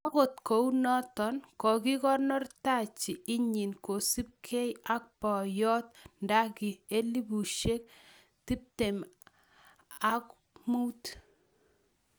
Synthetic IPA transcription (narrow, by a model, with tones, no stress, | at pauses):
a˦ko˨tko˨u˦nɔ˦tɔ˨nkɔ˨ki˦kɔ˦rnɔ˦rta˦t͡ʃi˨i˦ɲi˨nko˨si˦p̚kʰe˦ja˦k̚pɔ˨jɔ˦tnda˦ki˨e˦li˦bu˨ʃe˦k̚ | ti˦p̚te˨m | a˦k | mu˦wt